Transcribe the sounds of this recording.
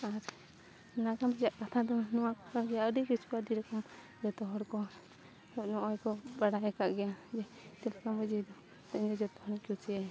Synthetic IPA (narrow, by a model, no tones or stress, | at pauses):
aɾ | nakamɛd͡ʒaʔkat̪ʰad̪ɔnɔwakɔkaɾɡɛjaəɖikut͡ʃkɔaɖiɾɔkɔm | d͡ʒɔt̪ɔɦɔɾkɔ | ɔʔnɔʔɔjkɔbaɽajɛkaʔɡɛjad͡ʒɛt̪ɛlakambəd͡ʒid̪ɔ | t̪aɲd̪ɔd͡ʒɔt̪ɔ̥hɔɽkut͡ʃiɛ